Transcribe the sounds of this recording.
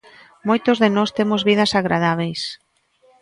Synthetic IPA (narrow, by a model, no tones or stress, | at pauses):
mojt̪ozðenɔst̪emozβið̞ɐsaɣɾaðaβ̞ejs